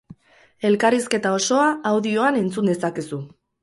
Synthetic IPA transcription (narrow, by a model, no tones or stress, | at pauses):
e̞lkariske̞t̪ao̞so̞aːwðio̞ane̞nt͡sund̪e̞sakesu